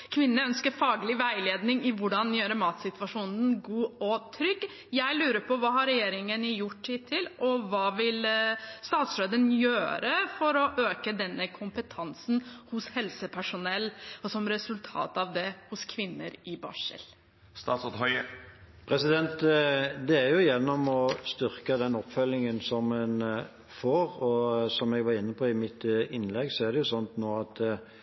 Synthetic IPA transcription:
kʰʋɪnːəœnskəɾfɑːɡəlɪʋæɪleːd̪nɪŋɪʋʊɖɑnjøːɾəmɑːt̪sɪt̪ʋɑʂuːnənɡuːɔt̪ʰɾʏɡ | jæɪlʉːɾəɾpʰɔʋɑːhɑɾɛjeːɾɪŋənɪjʊʈːɪt̪ʰɪlʔɔʋɑːʋɪlst̪ɑːt̪sɾøːd̪ənjøːɾəfɔɾɔʔøːkəd̪ɛnːəkʰʊmpət̪ʰɑnsn̩hʊshɛlsəpʰæʂʊnɛlːɔsɔmɾɛsʉlt̪ʰɑ̰ːt̪ɑʋd̪ɛhʊskʰʋɪnːə̰ɾɪbɑ̰ːʂə̰l | st̪ɑːt̪sɔt̪hœʏə | pʰɾɛsɪd̪ɛnt̪d̪ɛæɾjʊjɛnːɔmɔst̪ʏʁkəd̪ɛnɔpfœlɪŋənsɔmɛn | foːʁɔsɔmɛɡʋɑɾɪnːəpʰɔɪmɪt̪ɪnlɛɡsɔæɾd̪ɛjʊsɔnt̪noːɑt̪

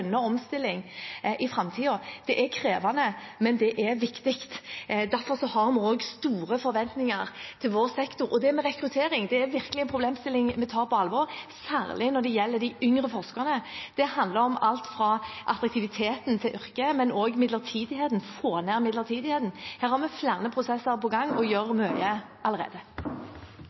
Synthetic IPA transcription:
nːəɔmst̪ɪlːɪŋʔɪfɾɑmt̪ʰiːɔd̪̥ɛʔækʰɾeːʋɑnəmɛnd̪ɛʔɛʋɪkt̪ɪkt̪d̪æɾfɔɾsɔhɑɾmʊoːɡst̪uːɾəfɔɾʋɛnt̪nɪŋɑɾt̪ʰɪlʋoːɾsɛkt̪ʊɾɔd̪ɛmɛʁɛkɾʉt̪ʰeːɾɪŋd̪ɛæɾʋɪɾkəlɪɛnpʰɾʊbleːmst̪ɪlːɪŋmɛt̪ʰɑːɾpʰɔɑlʋɔɾsæ̰ːɾlɪnɔd̪ɛjɛlːəd̪ɪʏŋɾəfɔʁskɑnəd̪̥ɛhɑnd̪ləɾɔmɑlt̪fɾɑʔɑt̪ɾʁɑkt̪ɪʋɪt̪ʰeːt̪nt̪ʰɪlʔʏɾkəmɛnɔːɡmɪd̪lət̪ʰiːd̪ɪheːd̪n̩foːnæːʁmɪd̪ləʁt̪ʰiːd̪ɪheːd̪n̩hæːɾhɑɾmɛflæːʁnəpʰɾʊsɛsːəɾpʰɔɡɑŋːɔjøːɾmœʏə | ʔɑləʁḛːd̪ə

